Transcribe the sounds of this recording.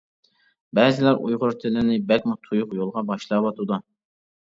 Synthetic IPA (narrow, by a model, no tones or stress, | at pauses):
bɛzɪlæɾʔṵjʁʊɾt̪ʰɪlɪnɪbɛkʲmut̪ʰujʊqjolˠʁɑbɑʃlˠɑwɑt̪ʰud̪u